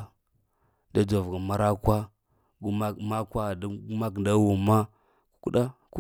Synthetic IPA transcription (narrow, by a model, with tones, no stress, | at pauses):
da˦da˨vɡa˨ma˦ɾa˦kʷa˦ | ɡu˦ma˦ma˦kʷa˦˨da˦ɡu˦ma˦k̬nda˦wu˨ma˦ | ku̥˦ku˦ɗa˦ | k